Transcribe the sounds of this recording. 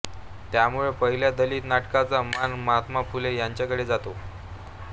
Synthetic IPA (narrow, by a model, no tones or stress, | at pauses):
t̪jamuɭepəɦiljad̪əliːt̪naʈkat͡samanmət̪mapulejaɲt͡ɕakəɽed͡zat̪o